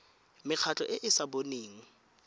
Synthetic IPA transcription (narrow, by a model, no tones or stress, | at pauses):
mɪq͡χʰat͡ɬʼɔʔɪʔɪsaboneːŋ̩